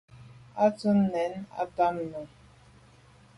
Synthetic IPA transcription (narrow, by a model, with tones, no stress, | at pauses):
a˦t͡su˦nnɛ˨˦na̰˦ta˦mnu˨